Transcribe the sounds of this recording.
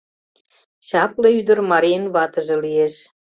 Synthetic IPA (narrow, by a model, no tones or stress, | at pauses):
ɕɑpleyd̪ə̆rmɑɾʲijənβɑt̪ə̆ʒĕlieʃ